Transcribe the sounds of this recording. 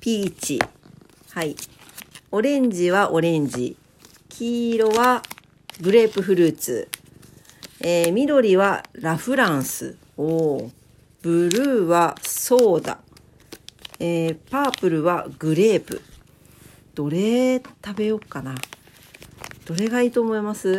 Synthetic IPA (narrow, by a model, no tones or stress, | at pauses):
pʲiːt͡ɕḭ | hai | o̞ɾẽ̞ɲ̟d͡ʑiβaʔo̞ɾẽ̞ɲ̟d͡ʑḭ | kʲʰiːɾo̞βa | ɡɯ̟ɾe̞ːpɯ̟ɸɯ̟ɾɯ̟ːt͡sɨ̰ | eːmʲiɾo̞ɾʲiβaɾaɸɯ̟ɾãɰ̃sɨ̰ | o | b̥ɯ̟ɾɯ̟ːβaso̞ːd̪a̰ | eːpaːpɯ̟ɾɯ̟βaɡɯ̟ɾe̞ːpɯ̟̰ | d̪̥o̞ɾe̞t̪abe̞jo̞kːana | d̪̥o̞ɾe̞ɡaiːt̪o̞ːmo̞imasɨ